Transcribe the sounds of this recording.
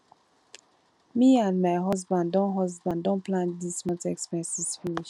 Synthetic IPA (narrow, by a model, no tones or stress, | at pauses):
miãnmaɪɦɔsbãnddɔ̃nɦɔzbãndɔ̃nplãndismɔ̃tɛkspɛ̃nsisfiniʃ